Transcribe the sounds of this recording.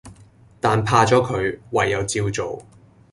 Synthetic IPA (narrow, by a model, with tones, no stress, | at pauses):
t̪aː˨npʰaː˧t͡sɔː˨˥kʰɵ˨˧ɥwɐ˨jːɐ˨˧wt͡siː˧wt͡so˨w